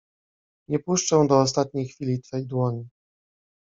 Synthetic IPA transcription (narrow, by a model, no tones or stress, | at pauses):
ɲɛpuʂt͡ʂɛ̃w̃d̪ɔːst̪at̪̚ɲejxfʲilʲit̪fɛjd̪wɔɲi